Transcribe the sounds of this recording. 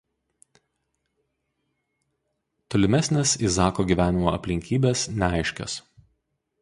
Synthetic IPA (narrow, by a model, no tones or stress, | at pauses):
t̪ɔlʲɪmʲæsʲnʲɛsiˑsɑːkoːɡʲiːˑʋʲæːnʲɪmoɐ̰pʲlʲɪŋʲkʲiːbʲeːsnʲɛɑˑɪʃʲkʲo̰s